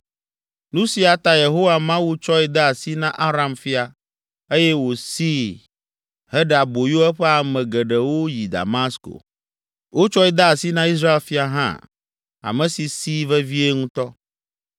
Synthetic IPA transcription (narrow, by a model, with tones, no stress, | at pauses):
nũ˦si˨a˨t̪a˦je˨ɦo˦wa˨mã˦wu˦t͡ʃɔ˦ɛ˨d̪a˦a˨si˦nã˦ʔa˦ɾa˨mfi˦a˨ | e˦jɛ˦wo˨si˦ | hɛ˦ɖa˨bo˨ju˦ɛ˦ɸɛ˦a˨mɛ̃˨ɡɛ˨ɖɛ˨wo˦ji˨d̪a̰˨ma˦sko̰˨ | wo˦t͡ʃɔ˦ɛ˦d̪a˦a˨si˦nã˦i˦s̬ɾa˦e˦lfi˦a˨ɦã̰˦˨ | a̰˨mɛ̃˨si˨si˦vɛ˦vi˦e˦ŋũ˦t̪ɔ˦